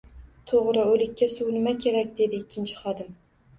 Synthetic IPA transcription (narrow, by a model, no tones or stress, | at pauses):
t̪ʰoʁɾɪɵlɪkʲːasʊwnɪmakʲʰe̞ɾak̚ʲd̪e̞d̪ɪːkʲːɪnt͡ʃʰɪ̥χɒd̪ɪm